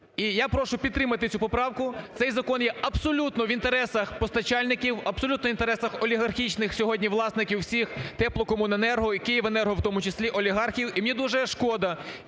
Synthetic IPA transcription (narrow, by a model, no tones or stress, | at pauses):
ijapɾɔʃʊpʲid̪t̪ːɾɪmɐt̪ɪt͡sʲupɔpɾɑwkʊt̪sɛjzɐkɔnjɛɐbsɔlʲut̪nɔʋint̪eɾɛsɐxpɔst̪ɐt͡ʃɑlʲnɪkʲiwɐbsɔlʲut̪nɔint̪eɾɛsɐxɔlʲiɦɐrxʲit͡ʃnɪxsʲɔɦɔdʲnʲiʋlˠɑsnɪkʲiwsʲixt̪ɛplˠɔkɔmʊnɐnɛrɦɔikɪjiʋenɛrɦɔwt̪ɔmʊt͡ʃesʲlʲiʔɔlʲiɦɑrxʲiwimnʲid̪uʒɛʃkɔd̪ɐ